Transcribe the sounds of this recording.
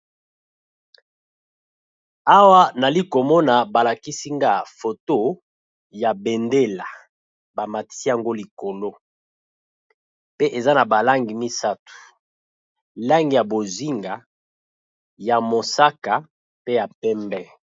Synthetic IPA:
a˦wa˦na˨li˦ko˨mɔ˦na˨ba˨la˨ki˦si˦ŋɡa˦˨fo˨to˦ | ja˨bɛ˨nde˦la˨ | ba˨ma˨ti̥˦si˦ja˨ŋɡo˦li˨ko˨lo˦ | pe˦ʔe˨za˦na˨ba˨la˦ŋɡi˨mi˦sa˦tu̥˨ | la˦ŋɡi˨ja˨bo˨zi˦ŋɡa˨ | ja˨mo˨sa˦ka˨ | pe˦ja˨pɛ˦mbɛ˦

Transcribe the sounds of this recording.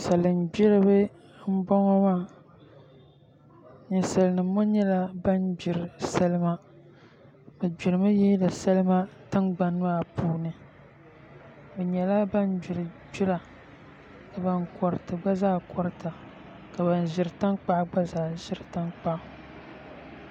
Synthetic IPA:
sa˨lɨ˨nbi˦ɾɨ˦bɨ˦ | m̩˦bɔ˦ŋɔ˦maː˦˨ | ɲi˨sa˨lɨ˨nɨ˨˦mːo˦ɲɛ˦la˦ba˦nbɪ˨ɾɨ˨sa˦lɨ˦ma˦ | bɨ˨bi˨ɾɨ˨ma˦jɛ˦la˨sa˦lɨ˦ma˦tɨ˦nɡ͡ba˨n˦a˦˨puː˦nɨ˨ | bɨ˨ɲɛ˨la˦ba˦nbɪ˨ɾɨ˨d͡ʒʊ˦la˨ | ka˨ba˨ŋkɔ˨ɾɨ˨tɨ˨ɡ͡ba˦zaː˦˨kʰɔ˦ɾta˨ | ka˨ba˨n˨ʒɪ˨ɾɨ˨ta˦ŋk͡pa˦ʔɡ͡ba˦zaː˨ʒɪ˦ɾɨ˨ta˦ŋk͡pa˦ʔ

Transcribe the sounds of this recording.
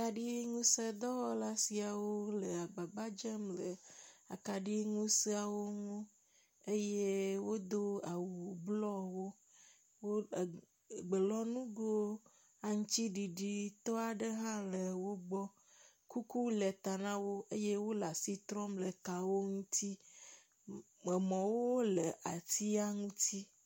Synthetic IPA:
ka˨ɖi˦ŋũ˦se˦d̪ɔ˦wɔ˦la˦si˨a˨wo˦le˨a˨ɡ͡ba˨ɡ͡ba˦d͡ʒɛ˦mlə˨a̰˨ka˨ɖi˦ŋũ˦se˦a˨wo˦ŋõ˦ | e˦je˦wo˦d̪o˦a˨wu˨blɔ˦wo˦ | wo˦˨ | ɡ͡be˨lɔ˦nũ˦ɡo˦ | a˨ŋũ˦t͡ɕi˦ɖi˨ɖi˨t̪ɔ˦a˨ɖe˦ɦã˦le˨wo˦ɡ͡bɔ˦ | ku˦ku˦le˨t̪a˨nã˦wo˦e˦je˦wo˦la˨si˦t̪ɾɔ˦mle˨ka˨wo˦ŋũ˦t̪i˦ | me˨mɔ̃˨wo˦le˨ʔa˨t̪i˦a˦ŋũ˦t̪i˦

